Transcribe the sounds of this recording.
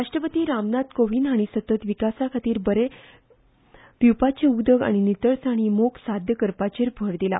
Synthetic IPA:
ɾaʂʈɾəpət̪iːɾamnat̪koʋinaɽ̃isət̪ət̪ʋikasakʰat̪iːɾbəɾe | piwpat͡ɕeud̪əɡa̰ɽ̃init̪əɾsaɽ̃imoksad̪ʱjəkəɾpat͡ɕeɾbʱəɽd̪ila̰

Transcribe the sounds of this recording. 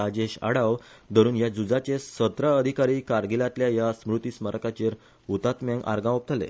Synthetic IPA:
ad͡ʑeɕa̰ɽawd̪əɾuːnjad͡zud͡zat͡ɕesət̪ɾəəd̪ʱikaɾiːkaɾɡilat̪ljajasmɾut̪isməɾkat͡ɕeɾ | ut̪at̪mãŋɡʔa̰ɾɡãop̚t̪ʰəlḛ

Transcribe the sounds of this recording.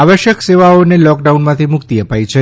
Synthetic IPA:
aʋəʃjəkseʋaonelɔkɖaunmãt̪ʰimʊkt̪iəpajt͡ʃʰe

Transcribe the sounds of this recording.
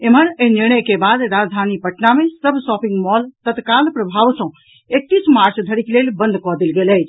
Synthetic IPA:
em̤əneɦniñəkebad̪ɾad͡ʒd̪ʱanipəʈnamesəbʱsɔpĩŋɡmɔlt̪ət̪kalpɾəbʱaʋsə̃ | ek̚t̪ːismaɾt͡ʃd̪ʱəɾiklelbə̃nd̪ʱkɔd̪elɡeləjt͡ʃʰ

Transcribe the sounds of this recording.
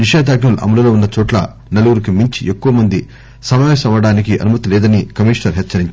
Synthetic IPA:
niʂaːd̪ʱaːɡnulɐ̰mɐlulo̞ːunːɐt͡ʃɔːʈlɐ̰ | nɐluɾukimiɲt͡ʃiʔekːuʋɐmɐnd̪i | sɐmɐʋɛːsɐmɐɽaːnikiʔɐ̰numɐt̪ilɛːd̪ɐnikɐmiːʂnɐɾɦet͡ʃːɐɾiɲt͡ʃ

